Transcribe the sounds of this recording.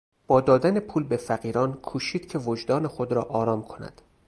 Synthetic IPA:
b̥ɒːd̪ɒːd̪ænepʰuːlbe̞fæɢiːɾɒːnkʰuːʃiːd̪̥cʰe̞vod͡ʒd̪ɒːnexod̪ɾɒːʔɒːɾɒːmkʰo̞næ̰d̪̥

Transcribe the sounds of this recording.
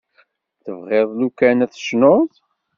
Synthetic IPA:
θəvʁɪðˤlukænæθə̥ʃnoðˤ

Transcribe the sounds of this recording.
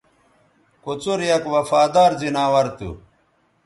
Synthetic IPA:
kut͡suɾjɐkwɐfaːd̪aːɾzinaːwɐɾt̪ṵ

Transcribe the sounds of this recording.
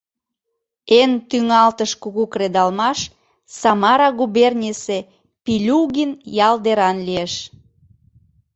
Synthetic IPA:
ent̪yŋɑlt̪əʃkuɣukɾed̪ɑlmɑʃ | sɑmɑɾɑɣuβernʲise | pilʲuɣinjɑld̪eɾɑnlieʃ

